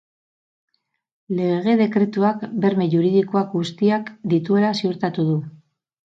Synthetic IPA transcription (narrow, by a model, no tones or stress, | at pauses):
le̞eɣ̞e̞ðe̞kɾe̞t̪uakbe̞ɾme̞ʝuɾið̞ikoakɡust̪iakd̪it̪ue̞lasiuɾt̪at̪uð̞u